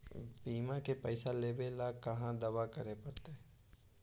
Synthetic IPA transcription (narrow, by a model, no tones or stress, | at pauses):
piːmãkepəɪsaleːbelakɐɦãd̪ɐʋakɐɾepɐɾt̪e